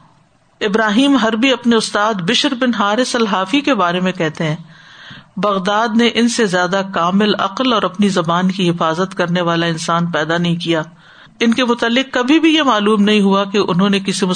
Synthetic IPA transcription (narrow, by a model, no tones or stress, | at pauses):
ɪbɾaːɦiːmɦɐɾbʱiɐpneʊst̪aːd̪bɪʃəɾbɪnɦaːɾesɐlɦaːfikebaːɾemẽkɛɦt̪eɦɛ̃ː | bɐɣd̪aːd̪neʔɪnsezjaːd̪akaːmɪlɐ̰qəlɔːɾɐpnizɐbaːnkiɦɪfaːzət̪kɐɾneʋaːlaɪnsaːnpɛːd̪anɐɦĩkijaː | ɪnkemʊt̪əlːɪqkːɐbʱibʱijemaːluːmnɐɦĩɦuakeʔʊnɦõnekɪsimʊ